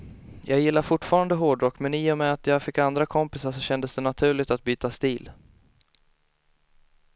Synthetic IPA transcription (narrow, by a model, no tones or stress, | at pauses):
jʔɑːɡjɪlːaɾfʊʈːfɑːɾand̪əɦoːɖɾɔkːmɛniːjɔmɛat̪jɑːɡfɪkːand̪ɾakʰɔmpɪsaʂɔɕɛnd̪əsd̪ɛnat̪ʰʉ̟ːɭɪɡt̪at̪̚byːt̪ast̪iːl